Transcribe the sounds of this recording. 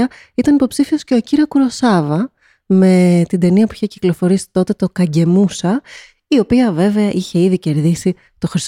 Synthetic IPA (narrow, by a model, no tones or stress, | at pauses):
ɐ | it̪ɐnipo̞psifio̞sce̞ociɾiɐkuɾo̞sɐvɐ | me̞t̪ind̪e̞niɐpuiçeci̥klo̞fo̞ɾisi̥t̪o̞t̪et̪o̞kɐɟe̞musɐ | io̞piɐve̞ve̞ɐʔiçe̞iðice̞ɾðisi | t̪o̞xɾis